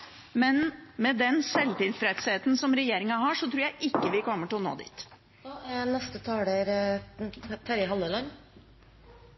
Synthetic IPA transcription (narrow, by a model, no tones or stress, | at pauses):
mɛnmɛd̪ɛnsɛlt̪ɪlfɾɛt̪seːt̪n̩sɔmɾɛjeːɾɪŋɑɦɑʂɔt̪ʰɾuːɾjæɪʔɪkːəʋɪkɔmːəʈɪlɔno̰ːd̪ḭːt̪ː | ænɛst̪ət̪ʰɑːɖeɾ | t̪ʰæɾɪɦɑlːəlɑnː